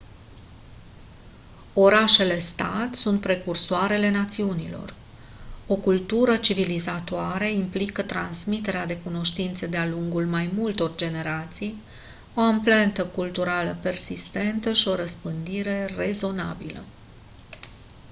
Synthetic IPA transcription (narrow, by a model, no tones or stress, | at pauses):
o̞ɾaʃe̞le̞st̪at̪sunt̪̚pɾe̞kursoaɾe̞le̞nat̪siunilo̰r | o̞kult̪uɾət͡ʃivilizat̪oaɾeimplikət̪ɾansmit̪e̞ɾead̪e̞kuno̞ʃt̪int̪sed̪ealuŋɡulmajmult̪o̞rd͡ʒe̞ne̞ɾat̪sij | o̞amplent̪əkult̪uɾaləpe̞rsist̪e̞nt̪əʃio̞ɾəspɨnd̪iɾe̞re̞zo̞na̰bilə̰